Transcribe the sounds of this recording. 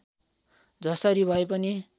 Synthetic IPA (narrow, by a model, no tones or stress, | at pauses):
d͡zʱʌsʌɾibʱʌepʌni